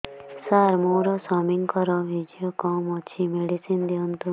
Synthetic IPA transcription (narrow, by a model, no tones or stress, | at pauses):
saɾmoɾɔsɔmiŋkɔɾɔbʱid͡ʒjɔkɔmɔt͡ʃʰimeɖisind̪iɔnt̪u